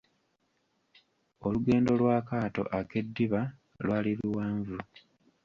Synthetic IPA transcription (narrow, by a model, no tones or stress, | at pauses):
o̞luɡe̞ːndo̞lwaːkaːto̞̰ʔake̞dːiβa | lwaːliβuwaːɱvu